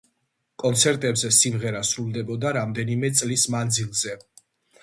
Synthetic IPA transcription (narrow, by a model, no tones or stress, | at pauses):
kʼɔnt̪sʰɛɾt̪ʼɛbzɛsimʁɛɾasɾulˠd̪ɛbɔd̪aɾamd̪ɛnimɛt̪sʼlismand̪zilˠzɛ